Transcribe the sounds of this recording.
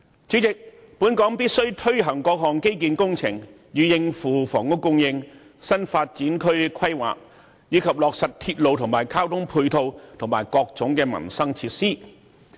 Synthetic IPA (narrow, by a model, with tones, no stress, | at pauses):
t͡sy˨˥t͡sɪ˨k̚ | puː˨˥nkɔː˨˥ŋpiː˥t̚sɵ˥ɥt̪ʰɵ˥ɥɦɐ˨˩ŋkɔː˧k̚ɦɔː˨˩ŋke˥jk̬iː˧nkʊ˥ŋt͡sʰɪ̰˨˩ŋ | jyː˨jɪ˧ŋfuː˨˩fɔː˨˩ŋʊ˥kkːʊ˥ŋjɪ˧ŋ | sɐ˥nfaː˧t̚t͡siː˨˥nkʰɵ˥ɥkʰɐ˥jwa̰ː˨k̚ | jiː˨˧kʰɐ˨p̚lɔː˨k̚sɐ˨t̚t̪ʰiː˧t̚lo˨wt̪ʰʊ˨˩ŋmaː˨˩jkʰaː˥wt̪ʰʊ˥ŋpʰuː˧jt̪ʰo˧wt̪ʰʊ˨˩ŋmaː˨˩jkɔː˧k̚t͡sʊ˨˥ŋkɛː˧mɐ̰˨˩nsɐ˥ŋt͡sʰi˧t̚siː˥˩